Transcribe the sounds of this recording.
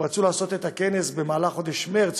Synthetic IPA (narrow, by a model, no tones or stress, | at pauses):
ʁat͡sulaːsot̪et̪akenesbemaːlaχod̪eʃmeʁt͡s